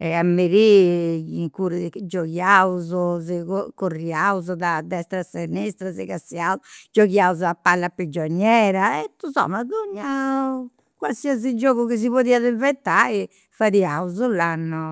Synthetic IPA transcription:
ɛamːeɾiiŋkuːɾid͡ʒoɣjauzɔzekokorːiauzɔd̪ad̪ɛst̪ɾasenːist̪ɾazɛkasiauzd͡ʒoɣjauzuapːalːapɾid͡ʒɔɲːɛːɾaɛt̪uzɔ̰maðoɲːau | kwalsiazid͡ʒɔːɣukis̬iβoðiːaðɛvɛt̪ai | faɾiauzulanːʊ

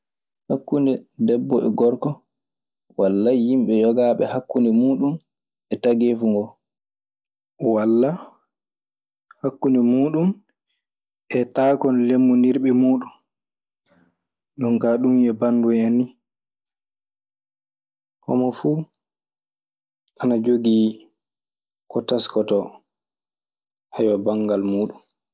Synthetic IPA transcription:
hakːundɛdɛbːɔɛɡɔɾkɔ | walːajimɓɛjɔɡaɓɛ̰hakːunɛmuːɗum | ɛtaɡeːfuŋɡɔ | walːa | hakːundɛmuːɗum | ɛtaːkɔnlemːuniɾɓɛmuːɗun | ɗɔŋkaɗumjɛbanduanːi | kɔ̰mɔfuː | ʔanad͡ʒoɡi | kɔtaskɔtɔ | hajɔbaŋɡalmuːɗum

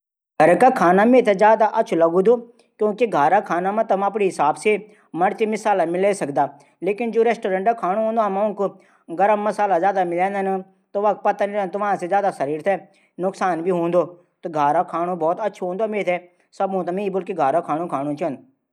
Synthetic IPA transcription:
ɡʱəɾkakʰaːnameːt̪ʰɛzjaːd̪aʔɐtːʃʰulɐɡũːd̪oː | kjõːkiɡʱaːɾaːkʰaːnaːmãt̪ɐmɐp̬ɽiɦɪsaːbse | məɽt̪imɪsaːlamɪleːsɐkd̪aː | leːkɪnd͡ʒoːɾɛːsʈoːɾə̃ɳʈakʰaːñoɦõːnd̪oamãːkʊ | ɡəɾəmːɐsaːlazjaːd̪amɪlɛ̃ːnd̪əna | t̪oʋaːk̚pɐt̪aniɾnt̪ʊʋãːsezjaːd̪asɐɾiːɾt̪ʰɛː | nʊksaːnbʱiːɦõːnd̪oː | t̪oɡʱaːɾakʰaːñobɔːt̪ɐtːʃʰɦõːnd̪oameːt̪ʰɛ | sɐbõt̪amĩbʊlkiɡʱaːɾakʰaːñõkʰaːñõt͡ʃʰːnd̪

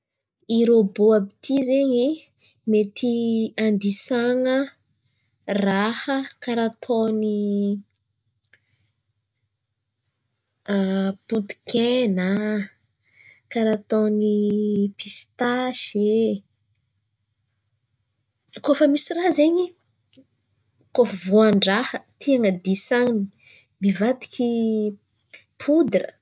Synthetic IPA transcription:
iɾoboabit̪ʰizeɲi | met̪iand̪isaŋə | rahəkaɾat̪ʰoni | put̪i̥kena | kaɾat̪onipist̪aʃe | kofəmisirazeɲi | kofəvuaɳɖ͡ʐahət̪ʰiaŋəd̪isaŋni | mivat̪i̥kʲi | pʰud̪rə̰

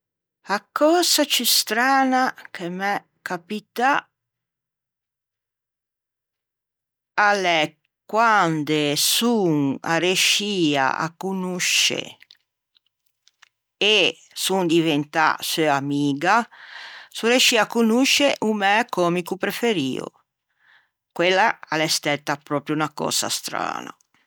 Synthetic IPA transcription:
akːɔːsat͡ʃist̪ɾaːnakʰemɛ | kapit̪a | alɛ | kːwand̪esuŋa̰ɾeʃiːa̰a̰kunuʃḛ | e | sund̪ivent̪a̰søamiːɡa | sureʃiːakːunuʃːeʔumɛkɔmikupɾefeɾḭːo̰ | kwelːaalɛst̪ɛt̪ːapɾɔːpɾjuunakɔ̰ːsa̰st̪ɾa̰ːna̰

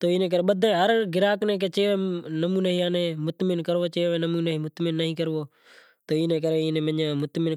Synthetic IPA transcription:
t̪oːiːnẽːk̬əɾeːɓəd̪ʱẽːɦəɾɡɪɾaːknẽːk̬eːt͡ʃeːʋeːnəmuːneːɦiːãːnẽːmʊt̪mɪnkəɾʋoːt͡ʃeːʋẽːnəmuːneɦiːmʊt̪mɪnːəɦĩːkəɾʋoː | t̪oːiːnẽːk̬əɾeːiːneːməɲãːmʊt̪mɪn

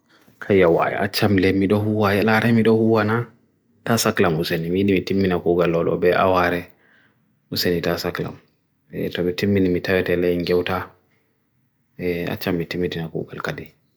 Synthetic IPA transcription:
kʰajawa̰ja̰ʔat͡ʃːamlɛmiɗɔhuwajalaɾɛmiɗɔhuwana | tasaklamusenimiɗimitimːinakuɡalːɔlɔ̰bɛʔa̰waɾɛ | usenitasakla̰m | ɛ̰tɔmitimːinimitawɛtɛlɛjŋɡɛwta | ɛa̰t͡ʃːamːitimːitinakṵːɡalkadi

